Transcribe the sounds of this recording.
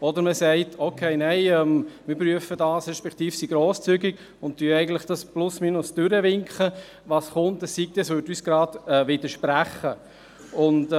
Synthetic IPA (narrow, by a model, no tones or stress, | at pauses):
ɔd̪əɾməsɛɪtʰokʰeɪnɛɪɛmmɪɾpɾyəfədɑːsɾɛʃpɛkt̪iːfsiɡ̥ɾɔːst͡syɡiɡ | ʊnttːyəɛɪɡən̩tləχd̥ɑsplʊsmiːnʊsd̥ʏɾəʋɪŋkχə | ʋɑːsχʊntəssik̚tɛsʋøtyːsɡ̥ɾɑːd̥ɛʋɪd̪əʃpɾæχə | ʊnd